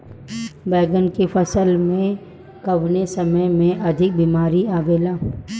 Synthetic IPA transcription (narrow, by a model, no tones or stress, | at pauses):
bɛːɡənkefɐsəlmẽ | kɐʋnesɐməjmẽʔɐd̪ʱɪk̚biːmaːɾiaːʋeːlaː